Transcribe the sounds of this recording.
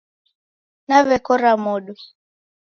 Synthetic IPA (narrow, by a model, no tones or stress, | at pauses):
naβɛkɔɾamɔɗu